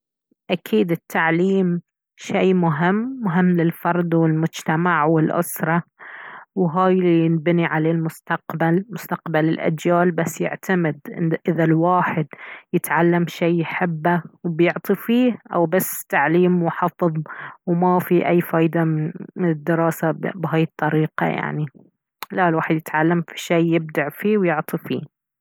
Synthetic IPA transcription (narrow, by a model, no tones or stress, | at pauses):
ʔakʰiːd̪ɪt̪ʰːaʕliːm | ʃeːmʊɦɪmːʊɦɪmːlɪlfɑɾˤd̪wɪlmʊd͡ʒt̪amaʕwɪlʔʊ̰sɾˤɑ | wɦaːjlinbniʕalalmʊst̪aqbalmʊst̪aqbalɪlʔa̰d͡ʒjaːlbasːjɪ̰ʕt̪ʰamɪd̪ʔɪʔɪðalwaːħɪd̪jɪt̪ʕalːamʃeːjːħɪbːawbjʊʕt̪ˤifiːʔa̰wbasːt̪aʕliːmwħɑfɨðˤwmafiʔajːfaːjd̪amɪnmɪnɪd̪ːɪɾˤɑːsabɦaːjɪt̪ˤːɑɾiːqɑ̰ja̰ʕni | lalwaːħɪd̪jɪt̪ʕalːamfi̥ʃeːjjːɪb̚d̪aʕfiːwjʊʕt̪ˤifḭː